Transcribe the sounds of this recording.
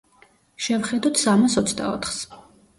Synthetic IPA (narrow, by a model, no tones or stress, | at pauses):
ʃɛvχɛd̪ɔt̪ʰsamasɔt̪sʰd̪a̰ɔ̰t̪ʰχs